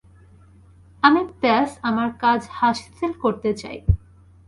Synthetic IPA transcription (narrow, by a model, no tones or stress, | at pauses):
amit̪ɛsamaɾkad͡ʑhaʃt̪ʰilkoɾt̪et͡ɕa̰j